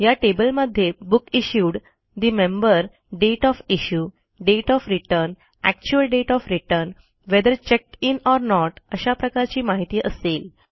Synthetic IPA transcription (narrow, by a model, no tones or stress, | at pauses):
jaʈebəlməd̪ʱjebukiɕuːɽ | d̪imẽmbəɾ | ɖeʈɔfiɕuː | ɖeʈɔfɾiʈəɾn | æk̚t͡ɕuəlɖeʈɔfɾiʈəɾn | ʋed̪əɾt͡ɕek̚ʈinɔɾnɔʈəɕapɾəkaɾt͡ɕiːmaɦit̪iːʔəsel